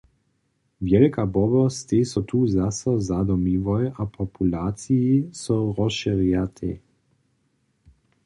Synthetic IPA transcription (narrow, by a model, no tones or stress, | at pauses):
vjɛlkabɔbɔst̪esɔt̪ʰuːzasəzad̪ɔmiʋɔjapʰɔpʰulaːtt͡sijisɔʁɔsʃiʁjat̪ʰḛ